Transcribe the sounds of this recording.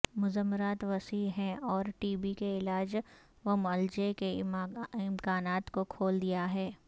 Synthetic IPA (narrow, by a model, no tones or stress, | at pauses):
mʊzəmːɾaːt̪ʋɐsiɦɛ̃ɔːɾʈiːbikeɪlaːd͡ʒ | ʋɐmɐld͡ʒekeɪɪmkaːnaːt̪kokʰoːld̪ijaɦɛː